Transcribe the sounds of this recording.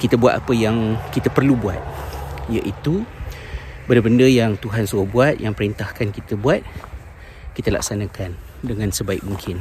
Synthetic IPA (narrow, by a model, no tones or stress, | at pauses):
kit̪əbua̰t̪̚apəjaŋkit̪əpərlubuat̪̚jaʔit̪u | bəndəbəndəjaŋt̪uɦansuabuat̪̚jaŋpəɾint̪ahkankit̪əbuat̪̚ | kit̪əla̰k̚sanãkan | dəŋãnsəbaik̚muŋkʰɪn